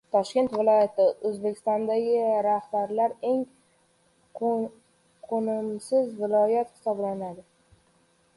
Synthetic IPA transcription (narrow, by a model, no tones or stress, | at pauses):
t̪ʰɒʃkʲe̞nt̪vɪlˠɒjat̪ʰɪɵzbekʲʰɪ̥st̪ɒnd̪aɡʲɪɾahbaɾlaɾe̞ŋ | qʰonɪmsɪzvɪlˠɒjat̪hɪ̥sɒblanad̪ɪ